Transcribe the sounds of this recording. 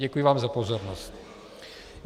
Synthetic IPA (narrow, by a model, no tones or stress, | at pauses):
ɟɛkujiʋaːmzapɔzɔɾnɔsc